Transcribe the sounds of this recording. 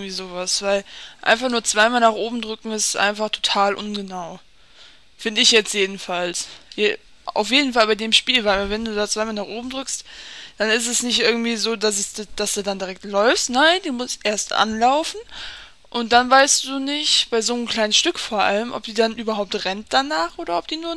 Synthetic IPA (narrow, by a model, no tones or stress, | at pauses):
ŋ̩tv̥iːzoːvasv̥aɪlʔa̰ɪnfaχnuːɐt͡sv̥aɪmaːlnaːχʔoːbm̩dʁʏkŋ̩ɪsʔa̰ɪnfaχtʰo̥tʰaːlʔʊ̰nɡənaʊ | fɪndəɪçjɛt͡stjeːdn̩falsj | a̰ʊfjeːdn̩falbaɪdeːmʃpiːlvaɪʔabɐvɛnduːdaːt͡sv̥aɪmaːlnaːχʔoːbm̩dʁʏkstd̥anɪstɛsnɪçtʔɪɐɡŋ̩tv̥iːzoːdas̬ɛsdd̥asd̥uːdandiʁɛk̚tlɔʏfstnaɪndiːmʊsʔeːɐstʔa̰nlaʊfn̩ | ʔʊnt̚d̥anvaɪstd̥uːnɪçtb̥aɪzoːəmkl̥aɪnəsʃtʏkfoːɐʔa̰ləmʔɔ̰p̚d̥iːdanʔyːbɐɦaʊp̚tʁɛnt̚d̥anaːχʔoːdɐɔp̚d̥iːnuːɐ